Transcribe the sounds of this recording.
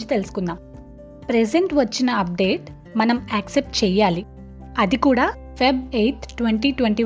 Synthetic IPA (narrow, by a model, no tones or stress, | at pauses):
t͡ʃi̥t̪elusu̥kund̪aːm | pɾeseɳʈʋɐt͡ʃːinɐɐp̚ɖe̞ːʈ | mɐnɐmɛːksep̚ʈt͡ʃɛːjaːli | ɐd̪ikuːɽaː | pebejʈ̪ʰʈʋeɳʈiːʈʋeɳʈiː